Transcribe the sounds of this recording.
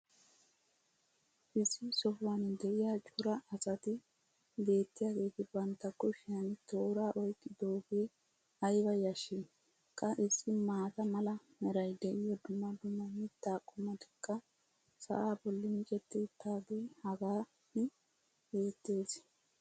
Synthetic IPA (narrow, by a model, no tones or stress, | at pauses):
ʔɪsːɪsɔfwand̪ɛʔɪjaːt͡ʃʼʊɾɐːsɐt̪ɪ | be̞ːt̪ːɪjaːɡe̞ːt̪ɪbɐnt̪ːɐkːɔʃɪjɐnt̪o̞ːɾaːʔɔjkʼːɪd̪o̞ːɡeː | ɐjbɐjɐʃi | kʼːɐʔɪsːɪmaːt̪ɐmɐlɐ | mɛɾɐjd̪ɛʔɪjɔd̪ʊmːɐd̪ʊmːɐmɪt̪ːaːkʼʊmɐt̪ɪ̥kʼːɐ | sɐ̰ʔaːbɔlːɪmɪkʼɛt̪ːɪːt̪ːaːɡeːhɐɡaː | nɪ | be̞ːt̪ːe̞ːs